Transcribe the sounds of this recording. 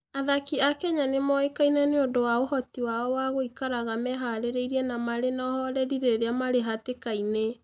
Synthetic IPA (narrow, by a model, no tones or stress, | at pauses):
aðakiakɛɲanemɔekainaneondowaohɔtiwaɔwaɣoikaɾaɣamɛɦaɾeɾeiɾiɛnamaɾenɔɦɔɾɛɾiɾeɾeamaɾeɦatekaine